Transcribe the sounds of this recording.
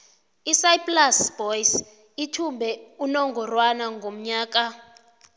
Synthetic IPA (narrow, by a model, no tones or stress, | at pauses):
isajplasb̥ɔjs | itʰumbʱɛunɔŋɡʱɔrwanaŋɡʱom̩ɲaːk̬ʼa